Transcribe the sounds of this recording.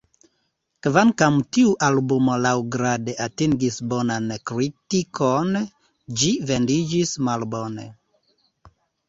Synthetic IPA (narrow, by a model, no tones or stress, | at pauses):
kvaŋkamtiuʔalbumolawɡɾadeʔatiŋɡisbonankɾitikʰon | d͡ʒive̞ndid͡ʒismalbonḛ